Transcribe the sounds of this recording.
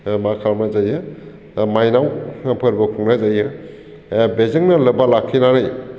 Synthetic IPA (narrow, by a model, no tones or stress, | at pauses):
makʰamazajɯ | majnawpʰɯɾbɯkʰuŋnazajɯ | bezeŋnɐlɐbalakʰːinanɯj